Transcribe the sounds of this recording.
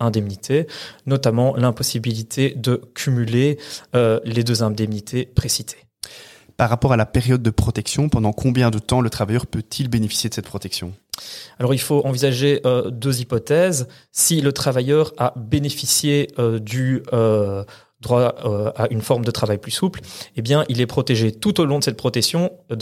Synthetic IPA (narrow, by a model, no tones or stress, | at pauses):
ɛ̃d̪ɛmnit̪ʰenɔt̪amɑ̃lɛ̃pɔsibilit̪ʰed̪əkʲʰymyleøled̪øzɛ̃d̪ɛmnit̪ʰepχesit̪ʰe̥ | paʁːapɔʁalapeʁjɔd̪̚ːəpχɔt̪ɛksjɔ̃pɑ̃d̪ɑ̃kʰɔ̃bjɛ̃d̪ət̪ɑ̃lət̪χavajœʁpøt̪ʰilbenefi̥sjed̪əsɛt̪pχɔt̪ɛksjɔ̃alɔʁilfoʔɑ̃vizaʒeʔød̪øzipɔt̪ɛz | silət̪χavajœʁabenefisjeød̪yø | d̪ʁwaøaynfɔʁmd̪ət̪χavajplysuplebjɛ̃ʔilɛpχɔt̪eʒet̪ut̪olɔ̃d̪əsɛt̪̚pχɔt̪ɛksjɔ̃